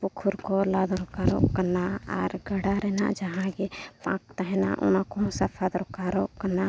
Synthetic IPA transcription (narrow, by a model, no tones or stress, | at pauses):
pukʰuɾkɔlad̪ɾɔkaɾɔ̰ʔkanaaɾɡəɽaɾɛna̰ʔd͡ʒaɦãɡepã̰k̚t̪aɦɛna̰ʔṵnakɔsapʰad̪ɾɔkaɾɔʔkana